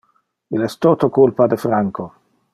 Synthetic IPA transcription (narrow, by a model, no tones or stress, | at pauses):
ilɛst̪ot̪okulpad̪efɾaŋko